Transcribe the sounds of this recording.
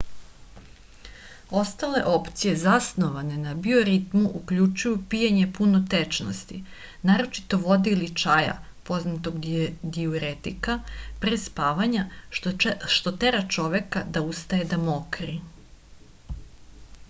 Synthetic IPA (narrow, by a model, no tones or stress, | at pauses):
o̞st̪ale̞ʔo̞pt̪sije̞zasno̞ʋane̞nabioɾit̪muʔukʎut͡ʃujupijaɲe̞punot̪et͡ʃno̰st̪i | naːɾo̞t͡ʃi̥t̪o̞ʋo̞d̪iilit͡ʃaja̰ | po̞znat̪o̞ɡɡ̪iuɾet̪ikapɾespaːʋaɲa | ʃt̪ot̪eɾat͡ʃo̞ʋe̞kad̪aust̪aje̞d̪amokɾi